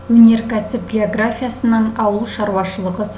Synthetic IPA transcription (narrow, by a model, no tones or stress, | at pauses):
wɵne̞ɾkʰæsɪp̚ɡʲeo̞ɡrafʲijasənːɑnɑwəlˠʃɑɾwɑʃəlˠəʁəs